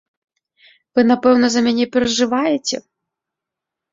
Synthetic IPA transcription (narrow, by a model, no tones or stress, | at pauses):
vɨnapɛwnɐzɐmʲanʲɛpʲɛɾɐʐɨvajɛt͡sʲɛ̰